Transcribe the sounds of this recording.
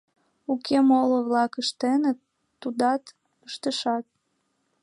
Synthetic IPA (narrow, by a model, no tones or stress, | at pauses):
ukʰemoloβlɑkəʃt̪enət̪ː | ud̪ɑt̪ | əʃt̪əʃɑt̪̚